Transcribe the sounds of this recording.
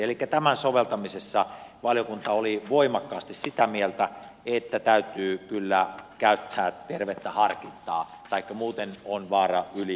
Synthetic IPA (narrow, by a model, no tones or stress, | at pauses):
elikːæt̪æmænsoʋelt̪ɑmisesːɑʋɑljokunt̪ɑoliʋoimɑkːɑːst̪issit̪æmielt̪æ | et̪ːæt̪æyt̪yːkylːækæyt̪ːæːt̪erʋet̪ːæhɑrkint̪ːˑɑː | t̪ɑikːɑmuːt̪enonʋɑːrɑyli